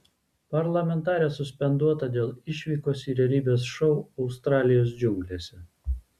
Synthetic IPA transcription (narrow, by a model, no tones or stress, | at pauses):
pɐɾlˠɐmʲɛnt̪ɑːɾʲɛːsʊsʲpʲɛnd̪uɔt̪ɐd̪ʲeːlˠɪʃʲʋʲiːkoːsiːɾʲɛlʲiːbʲeːsʃɔʊɒʊst̪ɾɑːlʲɪjoːsd͡ʒʲʊŋɡlʲeːsʲɛ